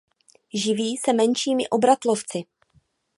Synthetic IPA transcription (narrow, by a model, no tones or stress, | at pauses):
ʒɪviːsɛmɛnʃiːmɪ̰ʔo̞bɾat̪lo̞ft͡sɪ